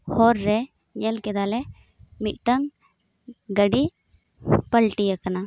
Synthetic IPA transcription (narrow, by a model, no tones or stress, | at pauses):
hɔɾːɛ | ɲɛlkɛd̪alɛ | mit̪̚ʈəŋ | ɡəɖi | pəlʈijakana